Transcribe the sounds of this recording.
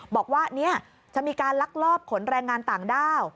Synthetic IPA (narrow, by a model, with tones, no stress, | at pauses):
bɔː˨˩k̚waː˥˩ni˦˥˩ɐ | t͡ɕa˨˩miː˧kaː˧nla˦˥k̚lɔː˥˩p̚kʰo˩˦nɾɛː˧ŋːaː˧nt̪aː˨˩ŋdaː˥˩w